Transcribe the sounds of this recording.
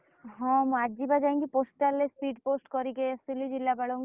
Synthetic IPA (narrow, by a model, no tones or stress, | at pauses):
ɦɔ̃mũaʈd͡ʒibad͡ʒaĩŋkiposʈalːespiɖposʈkɔɾikeasilid͡ʒilːabaɭoŋ